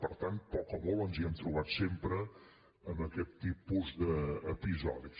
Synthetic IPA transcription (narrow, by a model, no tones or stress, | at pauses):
pəɾt̪ant̪̚pɔkəmolˠɔnziɛmt̪ɾuβ̞at̪sempɾəː | məkɛt̪ːipuzðəːpizɔði